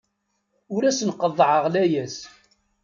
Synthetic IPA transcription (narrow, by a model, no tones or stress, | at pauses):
ʊɾæsənqəðˤːʕəʁlæjæs